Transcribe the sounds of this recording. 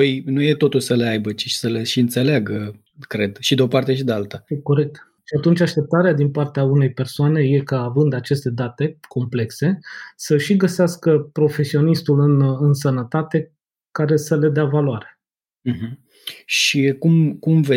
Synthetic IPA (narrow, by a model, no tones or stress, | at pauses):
əjnujet̪o̞t̪ulsəle̞ajbət͡ʃi̥ʃi̥səle̞ʃiɨnt̪se̞leaɡə | kɾe̞d̪ʃid̪eo̞part̪e̞ʃid̪ealt̪əeko̞ɾe̞k̚t̪ | ʃiat̪unt͡ʃʲaʃt̪e̞p̚t̪aɾead̪inpart̪eaune̞jpe̞rsoane̞je̞kaːvɨnd̪at͡ʃe̞st̪e̞d̪at̪e̞kʰo̞mple̞kse̞səʃiɡəseaskəpɾo̞fe̞sio̞nist̪ulɨnɨnsənət̪at̪e̞ | kaɾe̞səle̞d̪eavaloaɾe̞̥ | m̩ɦm̩ | ʃikumkumve